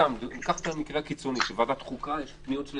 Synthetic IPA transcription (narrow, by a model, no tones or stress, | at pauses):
amd̪kaχt̪amikʁeakit͡soniʃevad̪at̪χukajeʃniol